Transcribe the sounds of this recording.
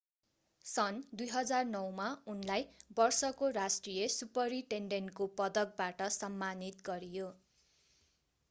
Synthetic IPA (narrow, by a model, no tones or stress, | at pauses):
sʌnd̪ujɦʌd͡zarnʌwmaunlajbʌrsʌkorasʈrijesupʌɾiʈeɳɖenkopʌd̪ʌk̚baʈʌsʌmːanit̪ɡʌɾijo